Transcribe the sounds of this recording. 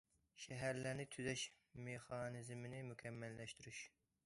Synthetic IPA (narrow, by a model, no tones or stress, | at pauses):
ʃɛɦæɾlæɾnɪt̪ʰyzɛʃ | meχɑːnɨzmɪnɪmukʲʰɛmːɛlːɛʃt̪yɾyʃ